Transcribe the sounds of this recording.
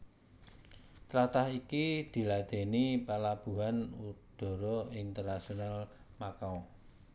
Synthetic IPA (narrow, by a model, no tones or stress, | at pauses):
t̪ɾat̪ahikid̪̥i̤lad̪̥e̤nipalab̥ṳɦanud̪̥ɔ̤ɾɔint̪ərnasional | makaɔ